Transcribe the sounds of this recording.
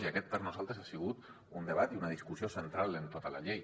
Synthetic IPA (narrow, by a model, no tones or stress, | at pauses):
iakɛt̪̚parnozalˠt̪ɾesasiɣ̞ut̪ | und̪eβ̞at̪iunəðiskusiosent̪ɾalent̪ot̪əla̰ʎej